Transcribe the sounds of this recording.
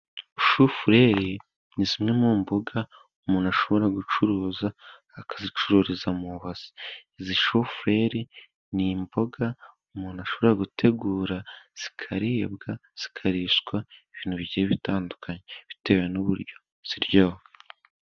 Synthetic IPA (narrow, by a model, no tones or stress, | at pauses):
ʃufuɾe̞ɾi | nizimŋe̞muːmboɡa | umuːnaʃo̞βo̞ɾaɡut͡ʃuɾuːzaː | kazit͡ʃuɾuːɾizamuβaz̥i̥iziʃufuɾe̞ɾi | nimbo̞ɡaumuːnaʃo̞βooɾaɡutʰe̞ɡuːɾaz̥i̥kʰaɾiːbɡaz̥i̥kʰaɾiʃɡwaiβiːn̥uβiɟieβitaːndukʰaɲeβite̞ːwenuβṵɾɟo̞ | z̥iɾɟoho